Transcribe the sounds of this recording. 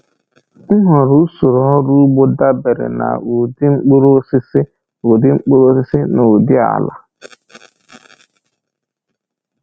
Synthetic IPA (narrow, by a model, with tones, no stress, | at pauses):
ŋ̩˦ɦɔ˨ɾu˦su˨ɾɔ˨˦ɾu˦bʊ˦da˦be˨ɾɪ̰˨na̰˨u˨dɪ˦ŋ͡m̩˦k͡pu˦ɾo˦sɪ˦sɪ˦ | u˨dɪ˦ŋ͡m̩˦k͡po˦ɾo˦sɪ˦sɪ˦na˨u˨dɪ˦a̰˨la̰˨